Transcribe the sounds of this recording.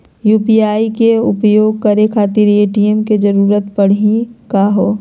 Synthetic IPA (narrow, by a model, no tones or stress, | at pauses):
juːpiaːikeʊpjoːɡ̚kɐɾekʰaːt̪ɪɾeːʈiəmked͡ʒɐɾuːɾət̪pɐɽ̤ĩkaɦoː